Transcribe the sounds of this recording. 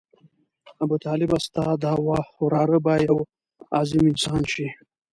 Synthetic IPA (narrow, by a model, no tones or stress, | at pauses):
abut̪ɑːlɪbast̪ɑd̪hawɑxʊɾɑːɾəbajaw | ɑ̰zɪmɪnsɑːnʃi